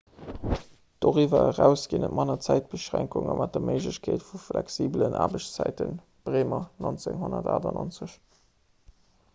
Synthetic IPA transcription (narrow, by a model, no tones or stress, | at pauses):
d̥oːʁivɐəʁæʊsɡ̥inətmʔɑnɐt͡sæɪt̚b̥əʃʁæŋkuŋəmʔɑt̚dɐməɪʒləɕkʰeːtfuflɛksiːblənʔa̰ːbəɕt͡st͡sæɪtən | b̥ʁeːmɐnont͡seŋɦonɐdaːdɐnont͡səɕ